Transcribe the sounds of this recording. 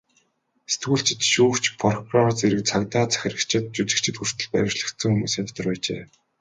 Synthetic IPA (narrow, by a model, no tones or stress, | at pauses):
se̥t̪ɡuːɬt͡ɕɪ̆t̪ʃuːkt͡ɕpʰɔrkrɔt͡seɾɘ̆k̚t͡sʰakt̪aːt͡sʰæ̥xʲɪ̆rə̆kt͡ɕʰɪ̆t̪̚t͡ɕut͡ɕɪ̆k̚t͡ɕʰɪ̆t̪xur̥t̪ʰɵ̆ɮpæwʲɪ̆rɮə̆kt̪sɘ̆ŋxumuːsæmʲt̪ə̆rpæːt͡ɕḛː